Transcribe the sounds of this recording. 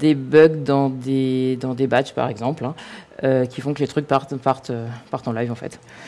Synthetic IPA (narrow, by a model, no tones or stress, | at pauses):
d̪ebœɡd̪ɑ̃d̪ed̪ɑ̃d̪ebat͡ʃpa̰ʁɛɡzɑ̃plɛ̃økʲifɔ̃kəlet̪χyk̚paʁt̪paʁt̪øpaʁt̪ɑ̃lajvɑ̃fɛ̰t̪